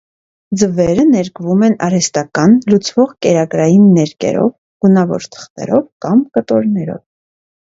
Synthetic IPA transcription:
d͡zəvɛɾənɛɾkvumɛnɑɾɛst̪ɑkɑnlut͡sʰvɔʁkɛɾɑɡɾɑjinːɛɾkɛ̰ɾɔ̰v | ɡ̥unɑvɔ̰ɾt̪ʰə̥χt̪ɛ̰ɾɔvkɑmkət̪ɔɾnɛɾɔ̰v

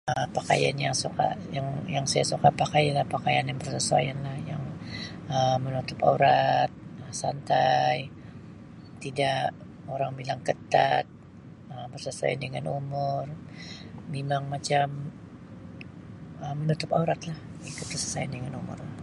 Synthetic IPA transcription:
əpaka̰ja̰njaŋsuka̰jaŋjaŋsajasukapakajalahpakajanjaŋbərsəsua̰janlahja̰ŋəmənut̪ʊpa̰uɾat̪̚əsant̪aj | t̪ida | oɾaŋbilaŋkət̪at̪̚ | əbərsəsa̰a̰ndəŋanumʊr | memaŋmat͡ʃam | əmːənut̪ʊpauɾat̪lahik̪ʊt̪̚bərsḁsajandəŋanumʊ̰rʊ

